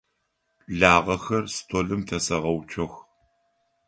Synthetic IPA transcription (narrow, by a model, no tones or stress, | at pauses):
ɮaːʁɐxɐrstʰoːɮɨmtʰɐsɐʁɐwt͡ʃʰɐx